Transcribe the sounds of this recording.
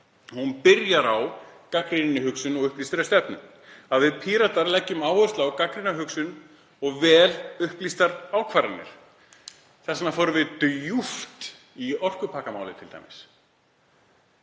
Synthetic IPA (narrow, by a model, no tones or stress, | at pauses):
hunpɪɾjaɾawkakɾinɪnɪɦʏksʏnɔɣʏhplist̪aɾast̪ɛpnʏ̰n | aðvɪðpʰiːɾat̪aɾlɛcːʏmaːwœrst̪lawkakɾinaɦʏksʏn | ɔɣvɛːlʏhplist̪aɾaːwkʰvaːɾɪnːɪ̰ɾ̥ | θɛsnafoːɾʏvɪðt̪juft̪ | iɔr̥kʏpʰaːkamaːwlɪt̪ʰɪlt̪a̰jmɪs